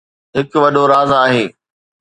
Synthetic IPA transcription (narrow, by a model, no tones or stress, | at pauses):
ɦɪkʋɐɗoɾaːzaːɦeː